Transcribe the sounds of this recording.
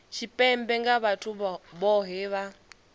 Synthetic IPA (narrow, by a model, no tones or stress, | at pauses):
ʃʰipʼɛmbɛŋɡaβatʰuβɔɦɛβa